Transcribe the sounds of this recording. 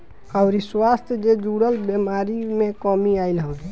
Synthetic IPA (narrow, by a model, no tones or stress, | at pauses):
aʊɾiswast̪ʰjd͡ʒed͡ʒuɽəlbjemaɾimẽkɔmiailɦə̃